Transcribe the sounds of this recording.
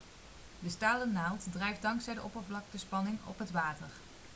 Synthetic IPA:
dəstaːlənawˠtdrɛjfdɑŋksɛjdəʔɔpərvlɑk̚təspɑnɪŋɔ̰pɦətʋaːtəɹ

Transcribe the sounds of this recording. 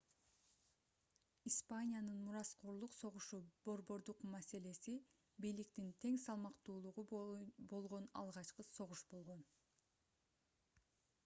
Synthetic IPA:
ispanʲijanɯnmuɾɑsqoɾlˠuqso̞ʁuʃubo̞ɾbo̞ɾd̪uqmæse̞le̞si | bijlik̚t̪int̪ʰe̞ŋsɑlˠmɑqt̪uːlˠuʁubo̞lˠʁo̞nɑ̰lˠʁɑt͡ʃqɯso̞ʁuʃbo̞lˠʁo̞n

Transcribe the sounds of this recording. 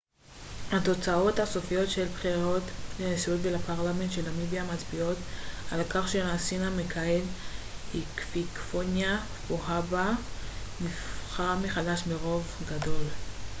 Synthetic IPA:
hat̪o̞t͡sao̞thaso̞fijo̞tʃelbχiʁot̪lenesiot̪velapaʁlame̞ntʃelamibiamat͡sbio̞t̪alakaχʃenasinamekʰaelhikfikfonja | boɦaba | nifχameχadaʃmeʁo̞vɡado̞l

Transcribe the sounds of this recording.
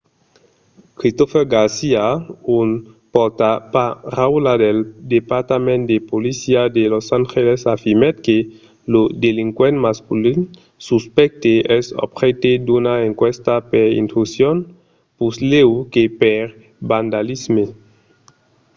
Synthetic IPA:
kɾist̪ofeɾɡaɾsiaun | poɾt̪apaɾawlad̪eld̪epaɾt̪amẽnt̪d̪epolisiad̪elosaŋxelesafiɾmet̪ke | lud̪eliŋkwenmaskulin | suspɛk̚t̪eʔɛso̰bxet̪ed̪unaeŋkwest̪apeɾḭnt̪usjon | puslewkepeɾ | band̪alizme

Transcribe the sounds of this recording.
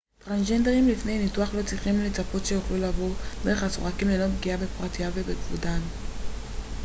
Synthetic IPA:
tʁanʒendeʁimlifnejnituaχlo̞t͡sʁiχimlet͡sapo̞tʃe̞juχlulavoʁdeʁeaso̰ʁakimleno̞t̪̚b̚ɡiabepʁat̪ijavebeɡvudan

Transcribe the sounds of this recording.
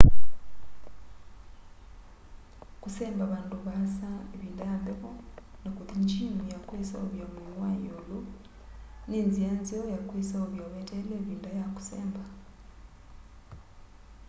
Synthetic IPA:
kuseːmbaβaːnduβasaeβiːndaajambekonakuðiɲd͡ʒimijakwiːsa̰oβjominwajolu | niːnzijanziojakwiːsaoβjoβeteleβiːndajaku̥sḛːmba

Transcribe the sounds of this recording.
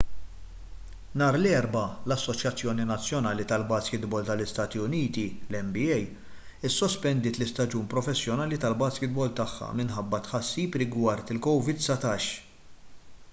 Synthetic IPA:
nɐːɾlɛːɾbɐlɐsːɔt͡ʃjɐt͡sːjɔːninɐt͡sːjɔnɐːlit̪ɐlbɐːskɪt̪bɔlt̪ɐlɪst̪ɐːt̪iʊniːt̪ilɛmbɪɛj | ɪsːɔspɛnd̪ɪːt̪lɪst̪ɐd͡ʒuːnpɾɔfɛsːjɔnɐːlit̪ɐlbɐːskɪt̪̚bɔlt̪ɐħːɐ̰mɪnħɐbːɐt̪ħɐsːiːpɾɪɡwɐɾt̪ɪlkɔwvɪd̪sɐt̪ɐːʃ

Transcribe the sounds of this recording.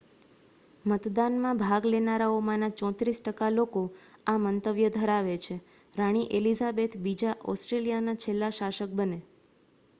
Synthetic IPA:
mət̪d̪anmãbʱaɡlenaɾaomãnat͡ʃɔ̃t̪ɾisʈəkaloko | amənt̪əʋjəd̪ʱəɾaʋet͡ʃʰe | ɾaɽ̃iʔelizabet̪bid͡ʒaʔɔsʈɾelijanat͡ʃʰelːaʃaʃək̚bəne

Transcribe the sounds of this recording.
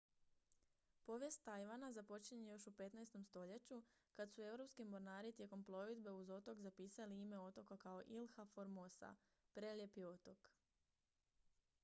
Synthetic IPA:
po̞ʋje̞st̪ːajʋanazapo̞t͡ɕiɲejo̞ʃupe̞t̪najst̪o̞mst̪o̞ʎe̞t͡ɕukad̪sue̞wɾo̞pskimo̞ɾnaːɾit̪je̞ko̞mplˠo̞ʋid̪be̞uzo̞t̪o̞kzapiːsaliime̞o̞t̪o̞kakao̞ʔilˠxafo̞ɾmosa̰ | pɾe̞lje̞pio̞t̪o̞k

